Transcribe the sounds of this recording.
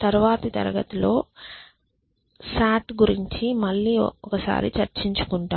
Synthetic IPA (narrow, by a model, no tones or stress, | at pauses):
t̪ɐɾuʋaːt̪it̪ɐ̰ɾɐɡɐt̪ulo̞ː | saːʈɡuɾiɲt͡ʃimɐɭːiːɔkɐsa̰ːɾḭt͡ʃɐɾt͡ʃiɲt͡ʃu̥kuɳʈaː